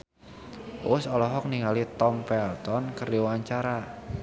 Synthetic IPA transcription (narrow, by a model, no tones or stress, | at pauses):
ʔʊsɔlɔɦɔk̚niŋalit̪ɔmpɛlt̪ɔnkəruwaɲt͡ʃaɾa